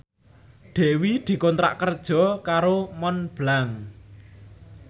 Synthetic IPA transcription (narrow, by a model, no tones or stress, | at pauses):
ɖ̪̥ɛ̤wid̪̥i̤kɔnt̪ɾa̰ʔkərd̥ʒ̥ɔ̤kaɾomɔnb̥laŋ